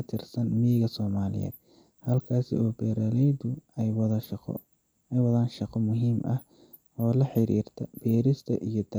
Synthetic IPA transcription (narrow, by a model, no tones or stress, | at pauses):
ɐt̪ʰɪrsɐnmɪjɪɣɐsɔːmaːlɪ̰jɛ̰ːd̪̚ | hɐlkʰaːsɪ̰ɔːbɛːɾalɛjd̪ʊwq | ɛjwɐðaːnʃɑqɔmʊɦiːmʔɐh | ɔːlɐħɪɾḭːrt̪ʰɐb̥ɛːɾɪst̪ʰɐ̰ʔijɞd̪ɐ